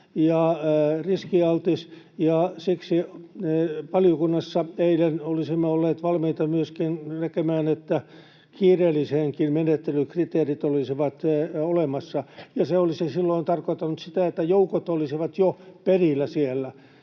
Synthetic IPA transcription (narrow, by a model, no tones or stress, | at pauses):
jɑriskiɑlt̪is | jɑsiksineʋɑlijokunːɑsːɑeilenolisimːeolːeːt̪ʋɑlmiit̪ɑmyøskinnekemæːnet̪ːæ | kiːreːlːˑiseŋkinmenet̪ːelykrit̪eːrit̪olisiʋɑt̪olemɑsːɑjɑseolisisilːoint̪ɑrkot̪ːɑnut̪sit̪æet̪ːæjoukot̪olisiʋɑt̪joperilːæsielːæ